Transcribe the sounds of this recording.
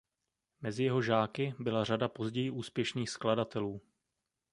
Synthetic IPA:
mɛzɪjɛɦo̞ʒaːkɪbɪlaradapo̞zɟɛjɪʔuːspjɛʃniːxskladat̪ɛluː

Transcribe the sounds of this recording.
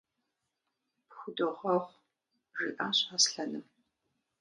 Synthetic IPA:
pxʷʊdɨʁɐχʷ | ʒɨʔaːɕʼaːsɬɐnɨm

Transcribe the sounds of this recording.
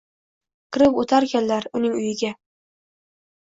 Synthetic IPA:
kʰɪɾɪpot̪ʰaɾkʲanlaɾʊnɪŋʊjɪɡʲa

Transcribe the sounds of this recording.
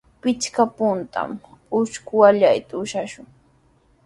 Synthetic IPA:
pɪt͡ʃkapʊnt̪a̰mʊʃkʊwaʎajt̪aʊʃaʃʊŋ

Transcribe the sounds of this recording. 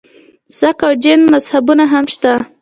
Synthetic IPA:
sakawd͡ʒɪnmazhabunaɦamʃt̪a

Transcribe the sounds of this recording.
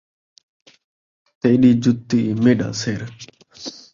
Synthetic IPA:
t̪eːɗiːd͡ʒʊt̪ːiːmeːɗã̰ːseːɾ

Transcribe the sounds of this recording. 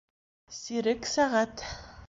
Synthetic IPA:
siɾɘksaʁat̪

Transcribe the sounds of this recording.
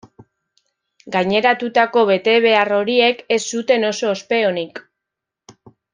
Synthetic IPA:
ɡajɲe̞ɾat̪ut̪ako̞βe̞t̪e̞β̞e̞aro̞ɾie̞ke̞sːut̪e̞no̞so̞ːspe̞o̞nik

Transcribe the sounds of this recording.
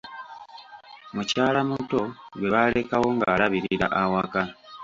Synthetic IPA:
mucaːlamuto̞ɡwe̞βale̞kawo̞ŋɡaːlaβiɾiiɾa̰ʔawaka

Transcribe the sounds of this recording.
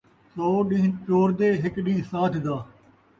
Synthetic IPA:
soːɗĩːnt͡ʃoːɾd̪eːɦɪkɗĩːɦsaːt̪ʰd̪aː

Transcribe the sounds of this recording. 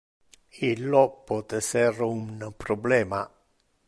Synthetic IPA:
ilːɔpːɔt̪ɛsɛrunpɾɔblɛːma

